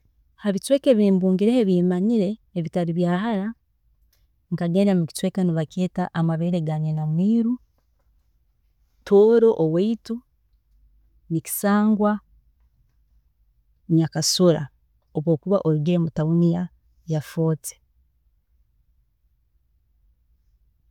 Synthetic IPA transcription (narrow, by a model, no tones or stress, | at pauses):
haβitwe̞ːkeβiːmbuːŋɡiɾeeβimaɲiɾe̞ːβitaɾiβjaːhaɾa | ŋkaɡeːnamuki̥twe̞kaniβakeːtaʔamaβeɾeɡaɲenamwiːɾu | tʰoːɾo̞ʔoweitu | nici̥saːŋɡwa | ɲakasuɾa̰ | oβwo̞ːkuβaʔoɾuɡemutaunija | jafo̞ːt͡se̥